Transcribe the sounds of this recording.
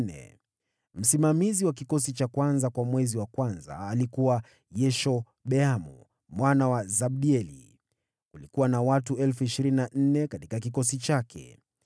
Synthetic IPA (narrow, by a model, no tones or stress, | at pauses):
nɛ̰ | m̩simamiziwak̬ikɔsit͡ʃakwanzakwamwɛziwakwanza̰ːlikuwa | jɛʃɔ | ɓɛamṵ | mwanawazaɓ̚ɗiɛlḭ | kulikuwanawatuɛlfuiʃiɾininan̩nɛkatikakikɔsit͡ʃakʰɛ̰